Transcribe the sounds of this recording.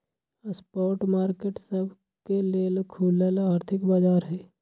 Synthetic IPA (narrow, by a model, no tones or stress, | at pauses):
spɔːɾʈmaːɾkeːʈsəbʱ | keleːlkʰuːləlaːɾt̪ʰɪkbaːd͡ʒaːɾɦɛː